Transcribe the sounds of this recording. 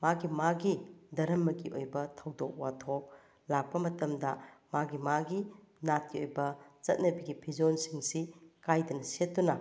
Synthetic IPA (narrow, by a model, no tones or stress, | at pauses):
maɡimaɡidɐɾɐmːɐɡiʔojbɐtʰɐwdok̚watʰok̚ | lak̚pɐmɐtɐmdɐmaɡimaɡi | nat̚kiojbɐt͡ʃɐt̚nɐbiɡipʰid͡ʒonsiŋsikajdɐnɐsetːunɐ